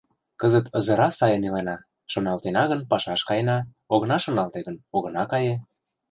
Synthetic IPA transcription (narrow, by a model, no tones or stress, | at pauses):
kəzə̆t̪ʰɤ̆zɤ̆ɾɑsɑjɤ̆nilenɑ | ʃonɑlt̪enɑɣə̆npɑʃɑʃkɑjenɑ | oɣɤ̆nɑʃonɑlt̪eɣənoɣɤ̆nɑkɑje